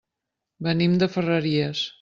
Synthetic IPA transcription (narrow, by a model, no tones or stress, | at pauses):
bənimd̪əfərəɾiəs